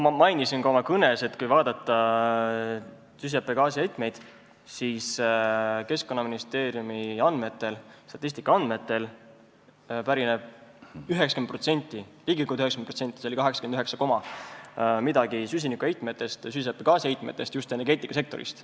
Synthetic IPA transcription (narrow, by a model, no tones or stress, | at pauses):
mmɑjnisinkoomɑkɤne̞se̞t̪kujvɑːd̪̥ɑt̪ːˑɑ | sys̬epːeɡ̥ɑːsiejt̪ˑme̞jd̪̥ | sis | ke̞sko̞nːɑminist̪e̞ːɾjumiɑnd̪̥me̞t̪ːˑe̞lst̪ɑ̥t̪ːˑist̪ikːˑɑɑnd̪̥me̞t̪ːˑe̞l | pæɾineb̥̚yɦeksɑ̥kenpro̞t̪se̞nʲt̪ˑːiliːɡikːuld̪yheksenprot̪se̞nʲt̪ːˑiseo̞lʲikɑɦe̞ksɑ̥kend̪yɦeksɑko̞mɑ | mid̪ɑɡisys̬ʲinikuejt̪ˑme̞t̪ːˑe̞st̪sys̬epːˑeɡ̥ɑːsiejt̪̚ˑmet̪ːˑe̞st̪just̪eneɾɡe̞ːt̪ːˑikɑse̞k̚t̪o̞ɾḭst̪